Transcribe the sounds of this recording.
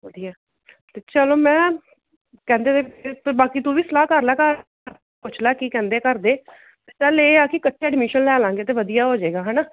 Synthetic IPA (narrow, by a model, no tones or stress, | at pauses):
ʋəd̪ijaː | t̪eːt͡ʃəloːmɛ̃ː | kɛ̃ːnd̪eːt̪eːpbaːkiːt̪ũːʋiːsəlaːkəɾlaːkəɾ | ɾ | pʊt͡ʃʰlaːkiːkɛ̃ːnd̪eːkəɾd̪eː | sɛːleːaːkɪkətːʃʰɛːɖmiːʃənlɛːlãːŋɡeːt̪̬eːʋəd̪ijaːɦoːd͡ʒeːɡaːɦɛːnaː